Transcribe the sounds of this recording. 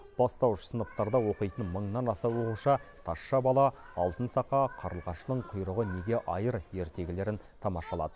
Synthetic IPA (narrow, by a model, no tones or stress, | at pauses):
b̥ɑst̪ɑwʃə̥sənəp̚t̪ɑɾd̪ɑwo̞qəjt̪ənməɴnɑnɑsɑwo̞quʃɑt̪ʰɑʃːɑbɑlˠɑ | ɑlˠt̪ənsɑqɑqʰɑɾəlˠʁɑʃnəɴqʰʊjɾəʁəne̞ɡʲe̞ʔɑjəɾje̞ɾt̪e̞ɡʲɪle̞ɾɪnt̪ʰɑmɑʃɑlˠɑ̰d̪ə